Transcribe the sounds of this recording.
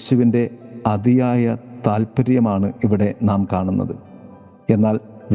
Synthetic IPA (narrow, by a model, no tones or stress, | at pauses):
ɕuʋinde̞ɐd̪ijaːjɐt̪aːlpɐɾjɐmaːɳɨiʋiɽe̞naːmkaːɳunːɐ̰ðɨ | e̞nːaːl | ʋ